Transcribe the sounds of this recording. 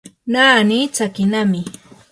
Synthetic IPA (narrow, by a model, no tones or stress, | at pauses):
naːnit͡sakɪnamɪ